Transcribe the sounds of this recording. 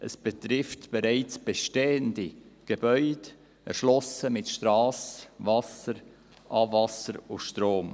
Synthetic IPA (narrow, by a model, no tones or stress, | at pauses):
ʔəsb̥etɾɪftb̥eɾaɪt͡sb̥eʃteːəndiɡ̥ebœʏd̥ | ɛ̰ɾʃlɔsəmɪtʃtɾɑːsvɑsəɾ | ʔɑːvɑsəɾʊʃtɾoːm